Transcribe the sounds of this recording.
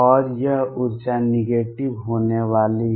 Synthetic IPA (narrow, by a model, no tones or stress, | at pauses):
ɔːɾjəɦʊɾd͡ʒanɪɡeːʈibɦoːneʋaːli